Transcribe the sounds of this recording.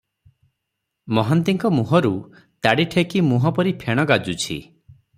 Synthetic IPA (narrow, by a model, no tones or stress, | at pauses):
mɔɦant̪iŋkɔmuɦɔɾu | t̪aɽiʈʰekimuɦɔpɔɾipʰeɽ̃ɔɡad͡ʒut͡ʃʰḭ